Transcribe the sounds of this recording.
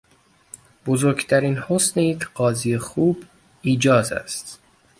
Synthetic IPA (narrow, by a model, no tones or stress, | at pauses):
b̥ozoɾɡt̪ʰæɾiːnhosneekʲʰɢ̥ɒːziːjexuːb | iːd͡ʒɒːzæ̰st̪